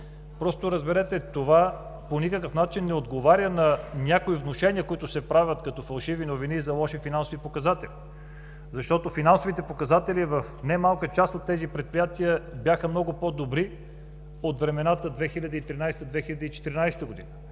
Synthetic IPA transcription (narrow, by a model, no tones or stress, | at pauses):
pɾɔst̪oɾəzbɛɾɛt̪ɛt̪ova | ponikəkəfnat͡ʃinːɛod̪ɡovaɾʲənɐnʲakoivnoʃɛnʲiəkoit̪ʊsɛpɾavʲət̪kɐt̪ɔfɐlˠʃivinovinizɐlˠɔʃifinansovipokɐzat̪ɛli | zɐʃt̪ɔt̪ofinansovit̪ɛpokɐzat̪ɛlivəfnɛmalˠkət͡ʃast̪ot̪ːɛzipɾɛt̪̚pɾijat̪iəbjaxəmnɔɡʊpod̪obɾi | ot̪vɾɛmɛnat̪əd̪vɛxilʲɐd̪əit̪ɾinajst̪əd̪vɛxilʲɐd̪əit͡ʃɛ̥t̪iɾinajsɛ̥t̪əɡod̪ḭnə